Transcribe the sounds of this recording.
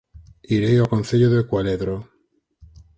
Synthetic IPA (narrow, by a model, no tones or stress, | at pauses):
iɾejakon̟θeʎoðekwaleðɾo